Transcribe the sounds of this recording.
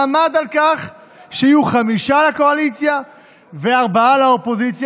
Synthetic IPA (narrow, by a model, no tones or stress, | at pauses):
mad̪alkaχ | ʃeijuχamiʃalako̞alit͡sja | veaʁbaalao̞po̞zit͡sj